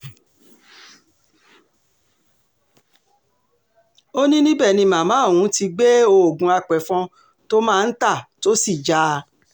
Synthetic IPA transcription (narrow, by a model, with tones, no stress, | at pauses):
o˦nĩ˦nĩ˦bɛ˦˨nĩ˧mã˨mãː˨˦˨w̃ũ˨˦ti˧ɡ͡be˦o˧o˨ɡũ˨˧a˧k͡pɛ˨fɔ̃˧ | to˦mãː˦˧n̩˦ta˦˨to˦si˦˨d͡ʒa˦